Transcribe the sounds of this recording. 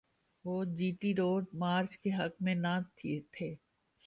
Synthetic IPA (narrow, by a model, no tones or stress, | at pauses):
ʋoːd͡ʒiːʈiɾoːɖ̚maːɾt͡ʃkeɦɐkmẽnãːt̪ʰt̪ʰeː